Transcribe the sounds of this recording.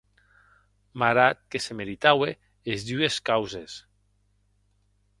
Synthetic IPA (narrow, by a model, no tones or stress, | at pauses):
maɾat̪̚kesemeɾit̪awe | ezd̪yeskawzes